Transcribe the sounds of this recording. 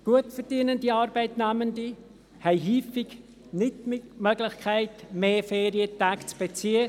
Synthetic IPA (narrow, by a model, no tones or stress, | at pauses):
ɡ̥uətfəɾdiːənəndiɑːɾbɛɪtnæməndi | hɛɪɦyːfiɡ | nɪtmɪmøɡlɪxkʰæɪtmeːfeːɾiətaːkt͡sb̥et͡siːə